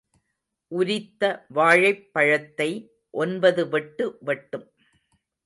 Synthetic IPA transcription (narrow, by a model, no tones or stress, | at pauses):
ʔʊɾɪt̪ːɐʋaːɻɐɪpːɐɻɐt̪ːɐɪ | ʔɔnbɐðɯʋɛʈːɯʋɛʈːɯm